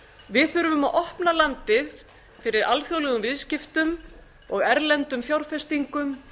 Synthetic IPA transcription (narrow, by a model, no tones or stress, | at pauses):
vɪðθʏɾʏvʏmaðʔɔhpnalant̪ɪð | fɪɾɪɾa̰lθjowlɛɣʏmvɪðscɪft̪ʏm | ɔɣɛɾlɛnt̪ʏmfjawɾ̥fɛst̪iŋkʏm